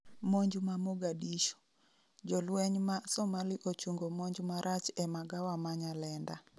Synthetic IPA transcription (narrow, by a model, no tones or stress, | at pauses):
moɲd͡ʒmamoɡadiʃo̥ | d͡ʒɔlwɛɲmasɔmaliʔot͡ʃuŋɡomoɲd͡ʒmaɾʔat͡ʃɛmaɡawamaɲalɛnda